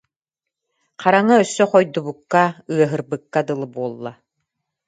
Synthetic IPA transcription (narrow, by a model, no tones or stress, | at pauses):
qaɾaŋaœsːœqɔjd̪ubukːaɯɐɦɯɾbɯkːad̪ɯlˠɯbuɔlˠːa